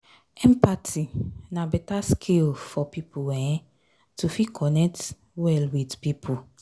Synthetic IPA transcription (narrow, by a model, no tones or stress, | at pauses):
ɛ̃mpatʰinãbɛtaskʰilfɔpipʰuɛ̃ɛ̃ | tufikʰɔnɛk̚t | wɛlwidpipʰu